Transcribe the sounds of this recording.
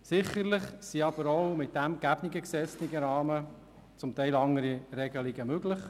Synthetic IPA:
sɪχəɾlɪχsiɑb̥əɾowmɪt̚d̪̥æmɡ̥æbniɡəksɛt͡sniɡəɾɑːmə | t͡sʊmt̪ɛɪlɑŋəɾiɾɛɡəliɡəmøɡlɪχ

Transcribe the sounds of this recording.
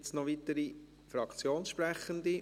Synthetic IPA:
t͡snɔʋit̪əɾi | fɾɑkt͡sjoːnsʃpɾɛχənd̪i

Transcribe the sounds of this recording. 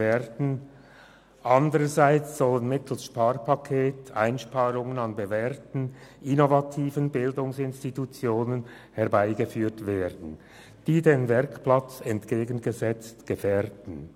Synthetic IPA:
ɛːɾdn̩ | ʔandəʁəzaɪt͡sz̥ɔlənmɪtʰl̩sʃpaːʁpʰakʰeːta̰ɪnʃpaːʁʊŋənɑnbəvɛːʁtn̩ʔɪnovatʰiːvənbɪldʊŋsɪnstitut͡sjoːnən | hɛɐʁbaɪɡəfyːtveːdn̩ | d̥iːdeːnvɛʁkplat͡sɛntɡ̥eːɡən̩ɡəzɛt͡stɡ̥əfɛːʁdn̩

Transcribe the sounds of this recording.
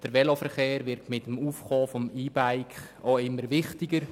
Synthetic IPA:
d̥əɾʋɛlofəɾχeːɾʋɪɾtmɪtəmuːfχɔːfɔmiːbaɪk | oɪmːəɾʋɪχtɪɡ̥əɾ

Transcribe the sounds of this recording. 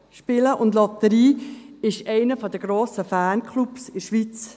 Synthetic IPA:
ʃpɪləʔʊndlɔt̪əɾiːɪʃɛɪnəfɔdəɡ̥ɾoːsəfæːnkʰlupsɪʃʋit͡s

